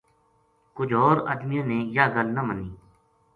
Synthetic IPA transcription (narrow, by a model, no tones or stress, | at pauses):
kʊd͡ʒʱɔːɾə̰d̪mijãːnẽːjaːɡəlnəməniː